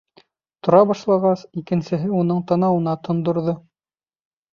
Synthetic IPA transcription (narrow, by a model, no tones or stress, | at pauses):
t̪ŏɾɑbɑʃlˠɑʁɑsikɘ̆nsɘ̆ɦɘunɤɴt̪ɑnɑwɤ̆nɑt̪ʰŏnd̪ŏɾðo